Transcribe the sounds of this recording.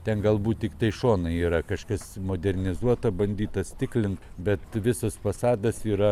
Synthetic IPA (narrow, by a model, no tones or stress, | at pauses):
t̪ʲɛnɡɐlˠbuːt̪̚tʲɪkt̪ɐɪʃoːnɐiːɾɐkɐʃkɐsmoːd̪ʲɛrʲnʲɪzuɔt̪ɐbɐnʲd̪ʲiːt̪ɐsʲt̪ʲɪklʲɪnt | bʲɛt̪ʋʲɪsɐsfɐsɑːd̪ɐsiːɾɐ